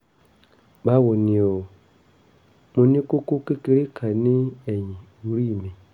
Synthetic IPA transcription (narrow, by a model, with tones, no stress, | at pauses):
ba˦wo˨ni˨o˨ | mu˨ni˦ku˦ku˦ke˦ki˦ɾi˦kʰa˨ni˦e˨ɲĩ˨ | u˨ɾi˦˨mi˨